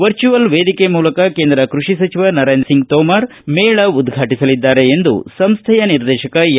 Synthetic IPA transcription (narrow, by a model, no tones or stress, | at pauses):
ʋɐɾt͡ʃuʋɐlʋeːd̪ikemuːlɐkɐkeːnd̪ɾɐkɾuʂisɐt͡ʃiʋɐnɐɾejnsiŋɡt̪ɔːmaːɾ | meːɭɐud̪ɡʱaːʈisɐlid̪ːaːɾe̞ːnd̪ṵsɐmst̪ʰɐjɐniɾd̪ɛːʃɐkɐ